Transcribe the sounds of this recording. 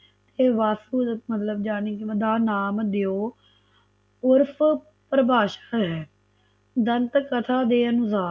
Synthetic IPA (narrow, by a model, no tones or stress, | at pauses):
t̪eːʋaːsuːmət̪ləbd͡ʒaːniːkəd̪aːnaːmd̪eoː | ʊɾpʰ | pəɾəbaːʃḁːɦɛː | d̪ənt̪kət̪ʰaːd̪eːənʊsaː